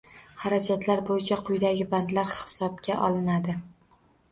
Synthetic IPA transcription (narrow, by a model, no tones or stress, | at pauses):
haɾad͡ʒat̪ʰlaɾbojɪt͡ʃʰaqʰʊjd̪aɡʲɪband̪laɾhɪ̥sɒb̚ɡʲaʔɒlˠɪnad̪ɪ